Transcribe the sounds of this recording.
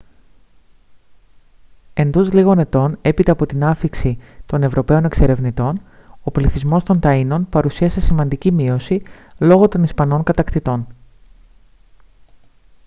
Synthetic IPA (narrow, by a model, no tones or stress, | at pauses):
e̞nd̪o̞zliɣo̞ne̞t̪o̞ne̞pit̪ɐːpo̞t̪inɐfiksit̪o̞ne̞vɾo̞pe̞o̞ne̞kse̞ɾe̞vnit̪o̞n | o̞pliθizmo̞st̪o̞nt̪ɐino̞npɐɾusiɐse̞simɐnd̪icimio̞silo̞ɣo̞t̪o̞nispɐno̞ŋkɐt̪ɐkt̪it̪o̞n